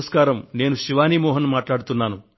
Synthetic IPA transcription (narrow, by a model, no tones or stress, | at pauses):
ɐskaːɾɐmne̞ːnuʃiʋaːniːmɔːɦɐnmaːʈlaːɽut̪unːaːnu